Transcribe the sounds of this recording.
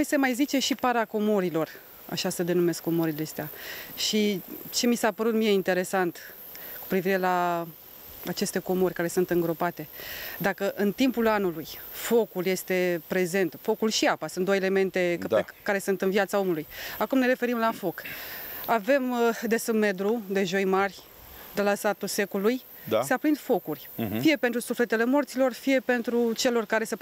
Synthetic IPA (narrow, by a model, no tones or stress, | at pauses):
nojsemajzit͡ʃe̞ʃipaɾako̞moɾilo̞r | a̰ʃasəd̪e̞nume̞skːo̞moɾileest̪eaʃit͡ʃe̞misapəɾut̪mije̞int̪e̞ɾe̞sant̪ | ku̥pɾiviɾe̞la | at͡ʃe̞st̪e̞ko̞morʲkaɾe̞sunt̪ɨŋɡɾo̞pat̪e̞d̪akəʔɨnt̪impulanulujfo̞kulje̞st̪e̞pɾe̞ze̞nt̪fo̞kulʃiapasɨnt̪d̪ojele̞me̞nt̪e̞d̪kaɾe̞sunt̪ɨnvjat̪sao̞mulujakumne̞ɾe̞fe̞ɾimlafo̞k | ave̞md̪e̞sɨme̞d̪ɾud̪e̞ʒo̞jmarʲ | d̪elasat̪use̞kuluj | d̪aseapɾind̪fo̞kurʲfije̞pent̪ɾusufle̞t̪e̞le̞mo̞rt̪silo̞rfije̞pe̞nt̪ɾut͡ʃe̞lo̞rkaɾe̞se